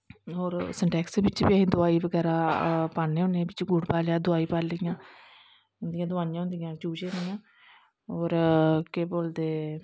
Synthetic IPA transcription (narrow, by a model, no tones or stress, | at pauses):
ɦoːɾsəɳʈɛːksebɪt͡ʃbiaːɦĩːd̪ʊaːiːbəɡɛːɾaːpaːneːɦʊ̃nẽːbɪt͡ʃɡʊɖpaːljaːd̪ʊaːiːpaːɾlɪjãː | ɦʊ̃nd̪ɪjãːd̪ʊaːjãɦʊ̃nd̪ijãːd͡ʒuːd͡ʒeːʊnd̪ɪjãː | oːɾkeboːld̪eː